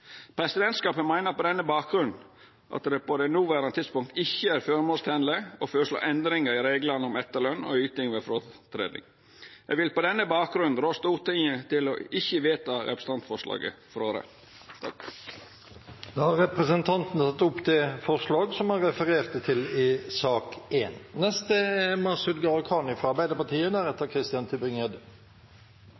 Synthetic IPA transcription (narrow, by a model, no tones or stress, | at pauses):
pʰɾɛsɪd̪ɛnt̪skɑːpənmæɪnəɾpɔd̪ɛnːəbɑːk̚ɡɾʉn | ʔɑ̰t̪d̪ɛpɔd̪ɛnuːʋæɾɑnət̪ʰɪt̪spʊŋk̚t̪ɪçːəæɾføːɾmoːlst̪ʰæːnləɔføːɾəʂɭo̰ːʔɛnd̪ɾɪŋəɾɪɾeːɡlənəʊmɛt̪ːəlœnːɔ̰yːt̪ɪŋʋɛfɾoːt̪ʰɾḛːd̪nɪ̰ŋ | ɛɡʋɪlpɔd̪ɛnːəbɑːk̚ɡɾʉnnɾoːst̪uːɾt̪ɪŋːət̪ɪlɔɪçːəʋeːt̪ɑɾɛpɾəsəɑnt̪fɔʁʂlɑ̰ːɡə̰fɔɾoːɾə̰ | t̪ʰɑ | d̪ɑːhɑɾɛpɾəsənt̪ʰɑnt̪n̩t̪ʰɑt̪ːʊpːt̪ɛfɔʁʂlɑːɡsɔmhɑnɾɛfəɾeːɾt̪ət̪ʰɪlɪsɑːkeːnnɛst̪əɛmɑʁsʉd̪ɡɑɾkʰɑːnɪfɾɑɑɾbæɪd̪əɾpɑt̪iːəd̪æɾɛt̪ːəkʰɾɪst̪ɪjɑnt̪ʰɪbɪŋeːd̪